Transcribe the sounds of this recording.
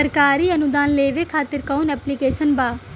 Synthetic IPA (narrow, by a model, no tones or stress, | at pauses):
əɾkaːɾiːənʊd̪aːnleːʋeːkʰaːt̪ɪɾkaunɛːplikeːʃənbaː